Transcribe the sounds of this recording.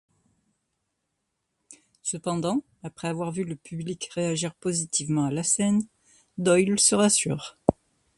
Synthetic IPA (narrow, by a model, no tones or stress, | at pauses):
səpɑ̃d̪ɑ̃ | apχɛavwaʁvyləpʰyblikʁeaʒiʁpozit̪ʰivmɑ̃alasɛn | d̪ɔjlsəʁasy̰ːʁ